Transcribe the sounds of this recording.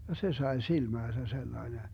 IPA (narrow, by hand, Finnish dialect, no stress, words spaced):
jɑ se sɑe silmæːsæ selːɑene